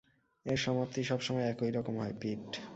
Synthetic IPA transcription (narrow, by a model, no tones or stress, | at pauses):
eɾʃɔmapt̪iʃɔbʃɔmɔeɛkojɾɔkomɦɔepiʈ